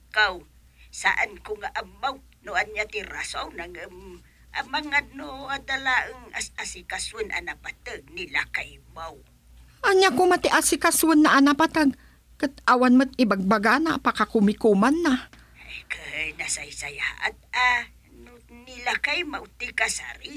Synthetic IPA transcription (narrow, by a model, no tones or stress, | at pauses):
kaw | sa̰ʔankʊŋaʔamːaw | noanjat̪iɾasʔawnaŋəm | amaŋad̪̚noad̪alaʔəŋasasikaswənʔa̰napat̪aɡ̚nilakajmaw | ʔaɲakumat̪ɪʔasɪkaswənːaʔanapat̪aɡ | kat̪ʔawanmət̪̚ɪbaɡ̚baɡanapakakumɪkumanːa | ajkanasajsaja̰ʔa̰t̪̚a | nonilakajmawt̪ikasa̰ɾɪ